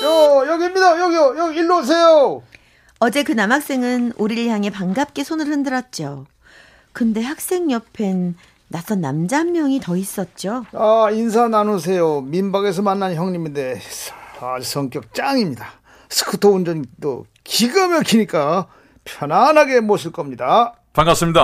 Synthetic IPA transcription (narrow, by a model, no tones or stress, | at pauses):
jʌjʌɡimɲidajʌɡiojʌɡiiɭːos̬ʰe̞jo | ʌd͡ʑe̞kɯnamɦak̚s͈e̞ŋɯnuɾiɭjaŋe̞paŋɡap̚k͈e̞sʰonɯɭhɯndɯɾʌt̚t͡ɕ͈o | kɯnde̞hak̚s͈e̞ŋɲʌpʰe̞nː | asʰʌnamd͡ʑamːjʌŋitʌis͈ʌt̚t͡ɕ͈oains̬ʰananos̬ʰe̞jomimbaɡe̞s̬ʰʌmanːançjʌŋɲiminde̞ | ausʰʌŋk͈jʌk̚t͡ɕ͈aŋimɲida | sʰɯ̥kʰɯtʰound͡ʑʌnt͈o̰ | kiɡɯmjʌkʰiɲik͈a | pʰjʌnanɦaɡe̞moɕʰiɭk͈ʌmɲida | kaŋɡas͈ɯmɲida